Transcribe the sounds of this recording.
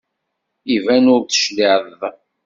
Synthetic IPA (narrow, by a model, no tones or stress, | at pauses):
ivænʊɾθə̥ʃliʕðð